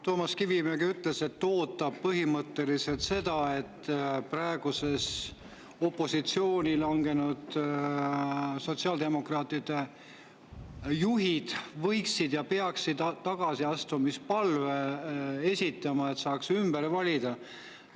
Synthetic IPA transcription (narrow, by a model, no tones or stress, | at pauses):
t̪o̞ːmɑskivimeɡiyt̪le̞se̞t̪ːo̞ːt̪ːˑɑb̥̚pɤɦimɤt̪ːe̞lise̞lt̪se̞d̪̥ɑe̞t̪ːprɑeɡ̥use̞s | o̞pːˑo̞sit̪sio̞ːnʲilɑŋɡ̥e̞nud̪̥ | so̞t̪siɑːld̪e̞mo̞krɑːt̪ːˑid̪̥e̞ | juɦid̪̥vɤ̞jksid̪̥jɑpe̞ɑksid̪t̪ːɑɡ̥ɑsiɑst̪umispɑlvee̞sʲit̪ːˑɑmɑe̞t̪sɑːksymbeɾvɑlʲid̪̥ɑ